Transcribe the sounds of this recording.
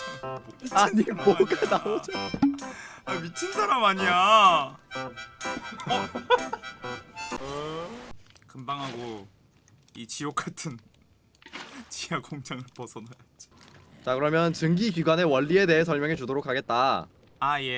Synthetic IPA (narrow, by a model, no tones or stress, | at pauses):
aɲimwoɡanaod͡ʑo | amit͡ɕʰinsʰaɾamaɲia | kɯmbaŋɦaɡo | it͡ɕijok͈atʰɯn | t͡ɕijakoŋt͡ɕʰaŋɯɭpʌsʰʌnajat͡ɕi̥t͡ɕakɯɾʌmjʌnt͡ɕɯŋɡikiɡwane̞wʌʎːiede̞ɦes̬ʰʌɭmjʌŋet͡ɕudoɾokʰaɡe̞t̚t͈a | aje̞